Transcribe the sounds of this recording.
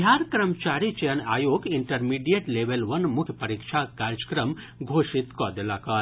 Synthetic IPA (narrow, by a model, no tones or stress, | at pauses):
ɦaːɾkɾəmt͡ʃaːɾit͡ʃɐjɐna̰ːjoːɡiɳʈɐɾmiːɖijeʈleːʋelʋɐnmʊkʰjəpɐɾikʃʰakaːɾt͡ʃə̥kɾəm | ɡʱoːʃit̪kɔːd̪elaːkaːɾ